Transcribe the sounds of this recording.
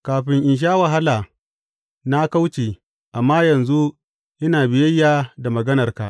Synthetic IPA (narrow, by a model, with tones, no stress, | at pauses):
kaː˨ɸɪ˨ŋʔɪ˨nʃ̬aː˦wɐ˨ɦa˦laː˨ | na˦ka˦wt͡ʃeː˨ | ʔa˨mːaː˦jɐ˨nzu˦ | jɐ˦naː˨bɪ˨jɐ˦jːaː˨da˨mɐ˨ɡɐ˦nɐ˨rka̰˨ʔ